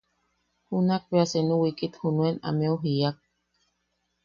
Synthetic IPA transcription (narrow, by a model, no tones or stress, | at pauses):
hunak̚peasenũwikit̪hunuena̰meuɦiak̚